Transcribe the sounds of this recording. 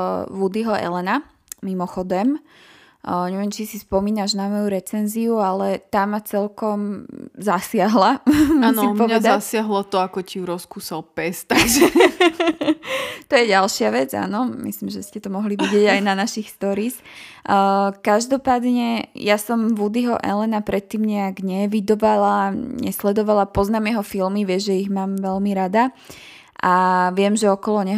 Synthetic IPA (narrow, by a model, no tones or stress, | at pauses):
ʋud̪iɦɔʔɛ̰lɛna | mimɔxɔd̪ɛm | ɲɛʋɛmt͡ʃisispɔmiːnaʒnamɔjuɾɛt͡sɛnziualɛt̪aːmːat͡sɛlkɔmzasɪaɦlansipɔʋɛd̪aasɪaɦlɔt̪ɔakɔciuɾɔskuːsalpɛst̪aɡʒɛ | t̪ɔjɛɟalʃɪaʋɛd͡za̰ːnɔmḭslimʒɛscɛt̪ɔmɔɦliʋiɟɪɛɟajnanaʃixst̪ɔɾiːs | kaʒd̪ɔpaːd̪ɲɛjasɔmʋud̪iɦɔʔɛlɛnapɾɛt̪ːiːmɲɛaɡɲɛʋid̪ɔʋalaɲɛslɛd̪ɔʋalapɔznaːmjɛɦɔfilmiʋɪɛʒɛiɣmaːmʋɛlmiɾad̪a | ʔaʋɪɛmʒɛɔkɔlɔɲɛɦ